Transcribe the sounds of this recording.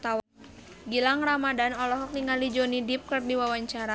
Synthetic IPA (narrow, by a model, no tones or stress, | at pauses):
t̪awa | ɡilaŋramadanɔlɔɦɔk̚niŋalid͡ʒonidip̚kɨrdiwawaɲt͡ʃaɾa